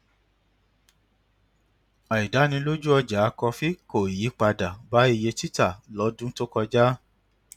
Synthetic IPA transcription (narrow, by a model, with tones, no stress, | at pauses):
a˨i˨da˨˦nĩ˧lo˦d͡ʒu˦ɔ˧d͡ʒa˨˦˧kɔ˧fi˦ko˨i˨ji˨˦k͡pa˧da˨ba˨˦i˧˨je˧ti˦ta˦˨lɔ˨˦dũ˦to˦kɔ˧d͡ʒa˦